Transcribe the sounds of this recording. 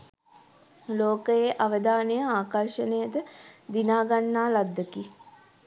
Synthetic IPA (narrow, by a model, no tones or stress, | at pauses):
loːkəjeʔaʋəd̪aːnejəaːkarʃənəjəd̪əd̪inaːɡanːaːlad̪ːəki